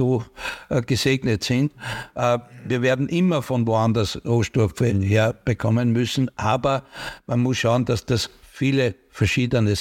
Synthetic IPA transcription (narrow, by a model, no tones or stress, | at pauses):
oːɡ̥əseːɡnətsɪntʔviːɐveːɐdn̩ʔɪmɐfɔnvoːandɐsʁoːʃtɔɐffɛnɦeːɐb̥əkʰɔmənmʏsn̩ʔaːbɐmanmʊsʃaʊənd̥asd̥asfiːlə | fɛɐʃiːdənə